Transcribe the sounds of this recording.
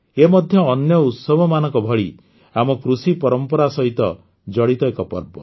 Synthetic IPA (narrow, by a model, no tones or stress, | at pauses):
emɔd̪ʱjɔːnjɔut̪sɔbʱɔmanɔ̃ŋkɔbʱɔɭi | amɔkɾusipɔɾɔmpɔɾasɔɦit̪ɔ | d͡ʒɔɽit̪ɔekɔpɔ̰ɾbɔ̰